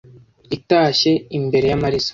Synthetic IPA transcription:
itaːʃe̞imbe̞ɾe̞jamaɾisḁ

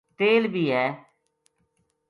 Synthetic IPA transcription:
t̪eːlbʱiːɦɛː

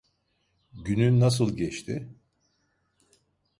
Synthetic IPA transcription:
ɟynynːas̬ɯlˠɟɛt͡ʃt̪ʰɪ

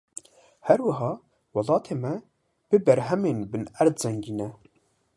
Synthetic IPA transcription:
hæɾwɨɦɑː | wɑlɑːt̪ʰeːmɛ | b̥ɨbɛɾɦɛmeːnbɨnæɾd̪zɛŋɡiːnɛ

